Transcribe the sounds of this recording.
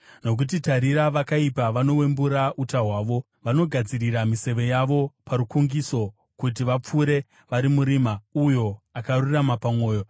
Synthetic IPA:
no̞k̬ut̬itaɾiɾaʋakaipaʋano̞we̞mbuɾaʔutaɦwaːʋo̞ | ʋano̞ɡʱad͡ziɾiɾamise̞ʋe̞jaʋo̞paɾukuŋɡiso̞ | kut̬iʋap͡fuːɾe̞ | ʋaɾimuɾiːmaujo̞akaruramapamwo̞ːjo̞

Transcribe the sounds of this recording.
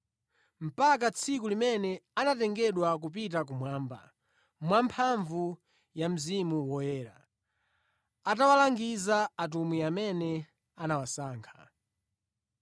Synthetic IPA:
m̩pak̬at͡sʰik̬ulimɛnɛanatɛŋɡɛɗwak̬up̬itak̬umwaːmba̰ | mwampʰaɱvu | jam̩zimuwɔjɛːɾa | atawalaŋɡizaːtumwiamɛnɛ | anawasaːŋkʰḁ

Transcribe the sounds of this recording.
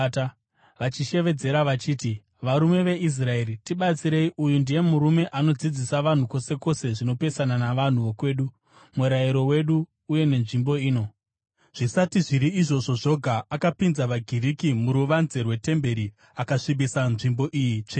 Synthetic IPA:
ʋat͡ʃiʃe̞ʋe̞d͡ze̞ɾaʋat͡ʃiːti | ʋaɾume̞ʋe̞ʔis̬rae̞ritiɓat͡siɾe̞iujundije̞muɾume̞ʔano̞d͡zid͡zisaʋan̤uko̞se̞ko̞se̞ʐino̞pe̞sananaʋan̤uʋo̞kwe̞ːɗu | meɾajiɾo̞we̞ɗuː | je̞ne̞nʐimbo̞iːno̞ | ʐ̥isatiʐiɾiːʐo̞ʐo̞ʐo̞ɡʱaʔakapinzaʋaɡʱiɾikimuɾuʋanze̞rwe̞te̞mbe̞ɾi | akaʂibisanʐimbo̞ʔiːjit͡ʂe

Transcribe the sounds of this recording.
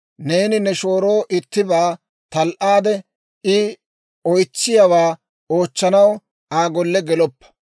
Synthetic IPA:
ne̞ːnɪnɛʃo̞ːɾo̞ːʔɪt̪ːɪbaː | t̪ɐlʔaːd̪ɛ | ʔɪ | ɔjt͡sːɪjɐwaː | oːt͡ʃːɐnɐw | ʔaːɡɔlːɛɡɛlɔpːɐ̥

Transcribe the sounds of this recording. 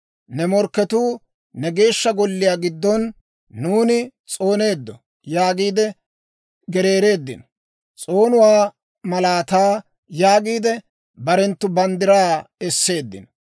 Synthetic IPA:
nɛmɔɾkːɛt̪uː | nɛɡe̞ːʃːɐɡɔlːɪjaːɡɪd̪ːɔnː | uːnɪt͡sʼo̞ːne̞ːd̪ːɔ | jaːɡiːd̪ɛ | ɡɛɾe̞ːɾe̞ːd̪ːɪ̰nɔ̥ | t͡sʼoːnʊwaː | mɐlaːt̪aː | jaːɡiːd̪ɛ | bɐɾɛnt̪ːʊbɐnd̪ɪɾaːɛsːe̞ːd̪ːɪ̰nɔ

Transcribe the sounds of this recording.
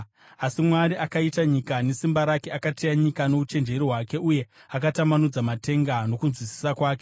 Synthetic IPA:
asimwaɾiʔakaitaɲikane̞simbaɾake̞akatejaɲikano̞ut͡ʃe̞nd͡ʒe̞ɾiɦwake̞uje̞ | akatamanud͡zamate̞ŋɡano̞kunzwisi̥sakwaːke

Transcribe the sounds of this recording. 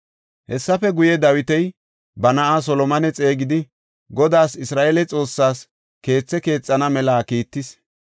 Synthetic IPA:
hɛsːɐfɛɡʊjɛd̪ɐwɪt̪ɛj | bɐnɐʔas̬ɔlɔmɐnɛt͡sʼe̞ːɡɪd̪ɪ | ɡɔd̪aːsɪsɾaːʔelɛt͡sʼo̞ːsːaːs | ke̞ːt͡sːɛke̞ːt͡sʼːɐnɐmɛlaːkiːt̪ːɪs

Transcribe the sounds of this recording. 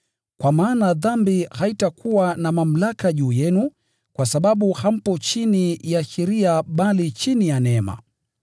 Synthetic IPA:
kwamaːnaðambihaitakuwanamam̩lakaʄuːjɛnu | kwasaɓaɓuham̩pɔt͡ʃinijaʃɛɾiaɓalit͡ʃinijanɛma̰

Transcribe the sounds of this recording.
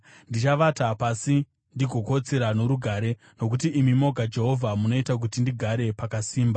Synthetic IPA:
ndit͡ʃaʋatapasi | ndiɡʱo̞ko̞t͡seɾano̞ɾuɡʱaːɾe̞ | no̞k̬utiʔːmimo̞ɡʱad͡ʒe̞ɦo̞vʱamuno̞itak̬utindiɡʱaɾe̞pakasiːmba

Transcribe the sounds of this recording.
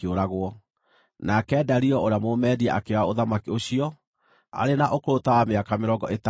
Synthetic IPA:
oɾaɣwɔ | nakɛdaɾiɔʔoɾeamomɛːɾiɛʔakewaoðamakioɕiɔ | a̰ɾenaʔokoɾotawameakameɾɔɡɔʔet

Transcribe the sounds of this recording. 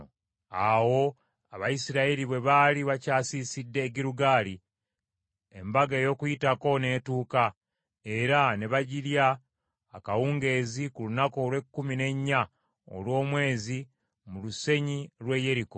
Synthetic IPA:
awo̞ | aβajisiɾaeliβwe̞βaliβacaːsisidːe̞ːɟiɾuɡaːli | embaɡeːjo̞kujitako̞ne̞ːtuːka | e̞ɾane̞βaɟiljaː | kawuːŋɡe̞ːzikulunako̞ːlwe̞kːumine̞ɲːa | o̰lwo̞ːmwe̞ːzi | muluse̞ɲilwe̞je̞ɾiko

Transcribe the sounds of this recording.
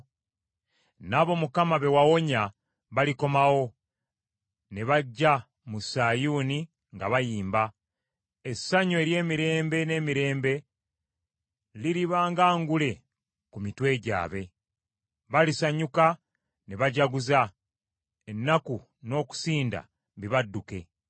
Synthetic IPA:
naβo̞mukamaβe̞wawo̞ɲa | βaliko̞mawo̞ | neβaɟːa | musaːjuːni | ŋɡaβajiːmba | esːaɲoeɾje̞ːmiɾe̞ːmbe̞ne̞ːmiɾe̞ːmbe̞ | liɾiβaːŋɡaːŋɡule̞ | kumitwe̞ːɟa̰ːβe̞ | βalisaɲuka | neβaɟaɡuza | e̞nːaku | no̞ːku̥siːnda̰ | βiβadːuke̞

